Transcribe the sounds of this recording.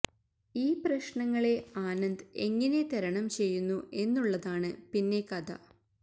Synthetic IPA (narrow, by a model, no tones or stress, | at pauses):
iːprɐɕɳɐŋːɐɭe̞aːnɐnd̪e̞ŋːɐne̞t̪ɐɾɐɳɐmt͡ɕe̞jːunːue̞nːuɭːɐðaːɳɨpinːe̞kɐd̪ʱɐ̰